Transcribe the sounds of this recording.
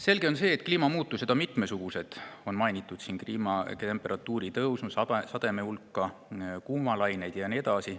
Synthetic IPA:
se̞lɡe̞o̞nse̞ːt̪kliːmɑmuːt̪ːˑuse̞d̪̥ɑmit̪ˑme̞suɡ̥use̞d̪̥o̞nmɑjnʲit̪ːˑud̪̥siːnkliːmɑe̞mpːˑe̞ɾʔɑt̪ːˑuːɾit̪ɤwsnusɑsɑd̪̥e̞me̞ulkːˑɑkuːmɑlɑjne̞jd̪̥jɑnied̪̥ɑsi

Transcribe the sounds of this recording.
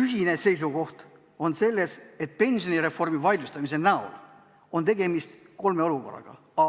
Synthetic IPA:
yɦinese̞js̬uɡo̞ht̪ | o̞nse̞lːese̞t̪̚pe̞nʲsio̞niɾe̞fo̞rmivɑjd̪ust̪ɑmise̞næo̰l | o̞nt̪̬e̞ɡe̞mist̪ | ko̞lme̞o̞luko̞̰rːɑ̰ɡ̥ɑ̰ | ɑ

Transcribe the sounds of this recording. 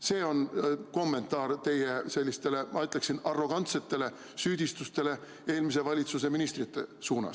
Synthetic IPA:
se̞ːo̞nko̞mːe̞nt̪ɑːɾt̪e̞jese̞lʲːist̪e̞le̞mɑyt̪ːˑleksinɑrːo̞ɡ̥ɑnt̪se̞t̪ːe̞le̞ | syːd̪̥ist̪ust̪e̞le̞ | e̞ːlmis̬e̞vɑlʲit̪suse̞minist̪rit̪ːˑe̞suːnɑ̰s

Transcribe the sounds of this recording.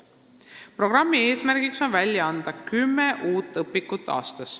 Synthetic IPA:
pro̞ɡ̥rɑmːie̞ːsmærɡ̥ikso̞nvælʲjɑɑnd̪̥ɑkymːeʔuːt̪ːˑɤpːikːˑut̪ˑːɑ̰ːst̪ɑs

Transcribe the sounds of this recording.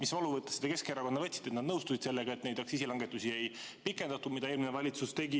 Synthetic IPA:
misvɑluvɤt̪ːˑe̥sːed̪̥ɑke̞skeeɾɑko̞nd̪ɑvɤt̪ʲːsid̪̥e̞t̪nɑd̪nɤwst̪usid̪̥se̞lːeɡ̥ɑe̞t̪nejd̪ɑksisilɑŋɡet̪ːˑusiejpikːˑe̞nd̪̥ɑt̪ːumid̪ɑeːlminevɑlʲit̪sust̪e̞ɡi

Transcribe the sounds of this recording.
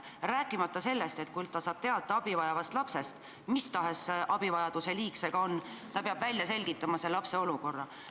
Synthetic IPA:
ræːkːˑimɑt̪ːˑɑse̞lːe̞st̪e̞t̪̚kujlt̪ɑsɑːb̥̚t̪e̞ɑd̪̥ˑɑɑb̥ivɑjɑvɑst̪lɑpse̞st̪ | mist̪ɑɦe̞seʔɑb̥ivɑjɑd̪̥use̞liːkse̞ɡ̥ɑo̞nːt̪ɑpeɑb̥vælʲjɑse̞lʲɡ̥it̪ːˑɑmɑselɑpseo̞luko̞rːɑ

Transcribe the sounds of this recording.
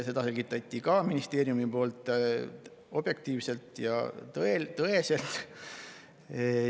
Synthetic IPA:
se̞d̪ɑselɡit̪ːˑɑt̪ʲːˑikɑminist̪e̞ːɾjumipo̞ːlt̪ːˑ | o̞b̥je̞k̚t̪iːvse̞lt̪jɑ̰t̪ɤet̪ɤese̞lt̪ˑ

